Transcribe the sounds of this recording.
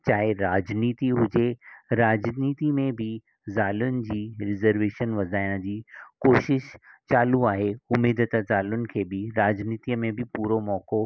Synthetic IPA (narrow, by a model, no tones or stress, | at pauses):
t͡ɕaːɦeɾaːd͡ʑniːt̪iɦʊd͡ʑeɾaːd͡ʑniːt̪imẽbʱɪ | zaːlʊnɪ̆d͡ʑiːɾɪzəɾʋeːʃənʋɐzʱaːɪɽ̃əd͡ʑiːkoːʃɪʃt͡ɕaːluaːɦeʊmeːd̪ət̪əzaːlʊnɪ̆kʰeːbɪɾaːd͡ʑniːt̪iəmẽbʱɪpuːɾomɔːko